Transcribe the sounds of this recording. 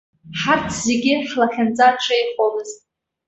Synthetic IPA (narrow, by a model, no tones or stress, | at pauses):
ħartʰz̥eɡʲɪħlaχʲand͡zʼaʈ͡ʂʰʼejχomɨzʼ